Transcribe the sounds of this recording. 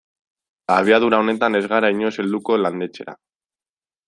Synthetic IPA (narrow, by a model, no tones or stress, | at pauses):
aβ̞iað̞uɾao̞ne̞t̪ane̞zɣaɾaiɲo̞se̞ld̪uko̞land̪e̞t͡se̞̰ɾa̰